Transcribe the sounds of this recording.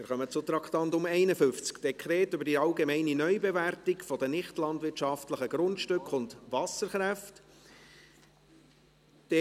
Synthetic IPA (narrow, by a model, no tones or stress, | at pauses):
ɪɾχœmət͡sʊt̪ɾɑktɑntʊmɛɪnəfʏft͡skd̥ɛkʰɾeːtʏbəɾdiɑlɡemɛɪninœʏbɛværtɪkfɔdənɪχtlɑndʋɪɾtʃɑftləχəɡ̥ɾʊntʃtʏkχʊndʋɑsəɾχɾæft | d̥ɛ